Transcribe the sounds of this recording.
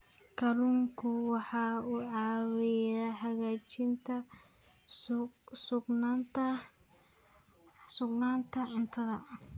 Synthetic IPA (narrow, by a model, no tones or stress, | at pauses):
kʰɐɾuŋkʰʊwɑħɑːuːʕɑːwɪjaːhɐɣaːt͡ʃɪnt̪ʰɐ | sʊɡnant̪ɐ | sʊɡnaːnt̪ʰɐʕʊnt̪ʰɐðɐ